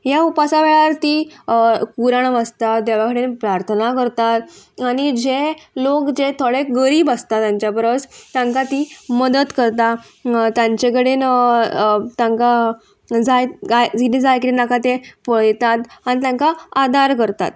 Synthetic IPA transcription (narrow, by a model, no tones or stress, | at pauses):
jaupasaʋeɭaɾt̪iː | kuɾaɳʋast̪at̪d̪eʋakəɽenpɾaɾt̪ʰənakəɾt̪at̪aɽ̃id͡ʑelokd͡ʑet̪ʰoɭeɡəɾiːbəst̪at̪jãɲt͡ɕjabəɾət͡st̪jãŋkat̪iməd̪ət̪kəɾt̪a | t̪jãɲt͡ɕekəɽen | t̪jãŋka | d͡zajajd͡zid̪id͡zajkɾinakat̪epəjt̪at̪anit̪jãŋkaad̪aɾkəɾt̪a̰t̪